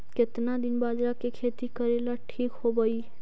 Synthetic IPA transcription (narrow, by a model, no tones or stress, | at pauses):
ket̪nad̪inbad͡ʒɾakekʰet̪ikəɾelaʈʰikɦobəi